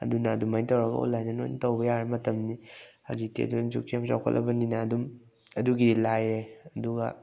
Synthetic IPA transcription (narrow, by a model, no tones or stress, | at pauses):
ɐ̰dunɐːdumajtɐwɾɐɡɐ̰o̰lajnɐnojnitɐwbɐjaɾemɐtɐmniha̰d͡ʒitḛɐ̰duumd͡ʒukʰiamsa̰wkʰɐ̰lʔɐ̰bɐninɐːdum | ɐduɡilajɾeɐduɡɐ̰